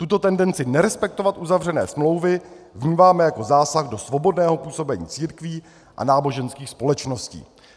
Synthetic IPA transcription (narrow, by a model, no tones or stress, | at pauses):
t̪ut̪o̞t̪ɛndɛnt͡sɪnɛɾɛspɛk̚t̪ovat̪ʔuzavr̝ɛnɛ̰ːsmlo̞wvɪvɲiːmaːmɛjako̞zaːsaɣdo̞svo̞bo̞dnɛːɦo̞puːso̞bɛɲḭːt͡siːɾkviː | ʔa̰naːbo̞ʒɛnskiːxspo̞lɛt͡ʃnoscḭː